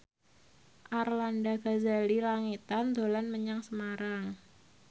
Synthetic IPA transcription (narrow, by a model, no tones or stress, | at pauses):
ʔarlandaɡazalilaŋit̪and̪olanməɲaŋsəmaɾaŋ